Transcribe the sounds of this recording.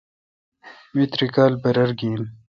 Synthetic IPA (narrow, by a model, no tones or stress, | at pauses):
mit̪ɾikaːlbɐɾɐɾɡiːn